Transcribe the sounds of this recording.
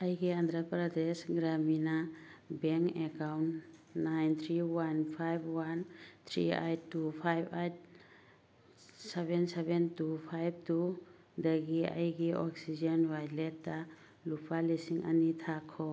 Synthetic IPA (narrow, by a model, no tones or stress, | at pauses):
ajɡiandɾapɾadesɡɾaminabeŋkekawnnajnt̪ʰɾiwanpʰajbwant̪ʰɾḭa̰jtːupʰajbʰajt̚ | sebensebentupʰajb̚tu | dɐɡia̰jɡiʔɔksid͡ʒanbajlet̚ːa | lupʰalisiŋʔa̰nitʰakʰːɔ